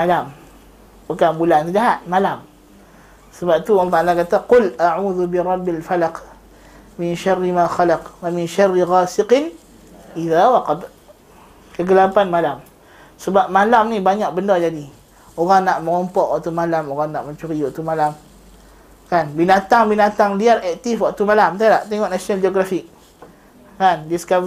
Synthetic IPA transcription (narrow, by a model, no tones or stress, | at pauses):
malam | bukanbulant̪id͡ʒaɦaʔ̪̚malam | səbap̚t̪uollːt̪aʔalakat̪aqʊlʔaʕuːðubiɾˤɑbːalfalaq | mɪnʃarːimaxalaqwamɪnʃarːiɣaːsɪqɪn | ʔiðawaqɑd̪ | kəɡəlapanmalam | səbap̚malamnibaɲak̚bəndɔd͡ʒadi | oɣaŋnaʔmə̃ŋɔmpɔʔwa̰ʔt̪umalamoɣaŋnaʔməɲt͡ʃuɾiwaʔt̪umalam | kanbinat̪aŋbinat̪aŋdiaɾɛk̚t̪ɪfwaʔt̪umalamt̪alaʔt̪eŋɔʔnasonald͡ʒioɡɾafɪk̚ | kandiəsə̥ka